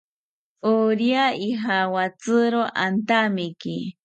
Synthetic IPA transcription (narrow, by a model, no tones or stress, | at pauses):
uɾjaiɦawat͡sɨɾoʔant̪amikḭ